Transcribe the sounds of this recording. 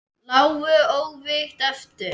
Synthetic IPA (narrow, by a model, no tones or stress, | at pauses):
naːwvʏoːwvɪht̪ɛft̪ʏɾ